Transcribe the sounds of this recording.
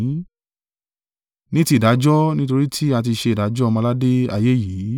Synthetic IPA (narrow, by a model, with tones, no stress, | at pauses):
nĩ˦ti˧˦˨da˨˦d͡ʒɔ˦nĩ˦to˧ɾi˦tʰi˦a˧t̬i˧ʃe˧˨da˨˦d͡ʒɔ˦˧mã˧la˦de˦a̰˧je˦ji˨˦